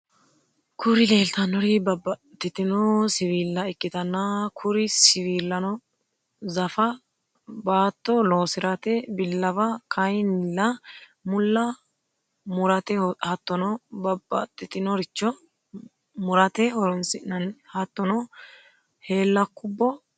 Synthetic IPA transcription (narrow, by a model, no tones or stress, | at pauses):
kʰʊɾɪle̞ːlt̪ɐnːɔɾɪbɐbːɐt̪ːɪt̪ɪnɔsɪwiːlːɐɪkʼːɪt̪ɐnːɐkʰʊɾɪsɪwiːlːɐnɔ | zɐfɐ | baːt̪ːɔloːsɪɾɐt̪ɛbɪlːɐbɐkʰɐjnlːɐmʊlːɐ | mʊɾɐt̪ɛhɐt̪ːɔnɔbɐbːɐ̰t̪ːɪt̪ɪnɔɾɪt͡ʃːɔ | mʊɾɐt̪ɛhɔɾɔnsɪnɐnhɐt̪ːɔnɔ | he̞ːlːɐkːʊbːɔ